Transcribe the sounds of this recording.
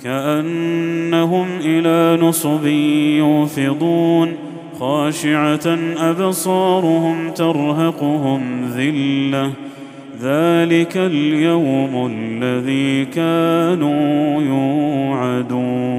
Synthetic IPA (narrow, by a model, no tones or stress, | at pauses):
kaʔanːaɦʊmʔɪlaːnʊsˤbɪjʊːfɪd̪ˤuːn | xaːʃɪʕaʔabsˤɑːɾˤʊhʊmt̪ɑɾˤɦɑqʊɦʊmðɪlːa | ðaːlɪkaljawmʊlːaðiːkaːnuːjuːʕad̪uːn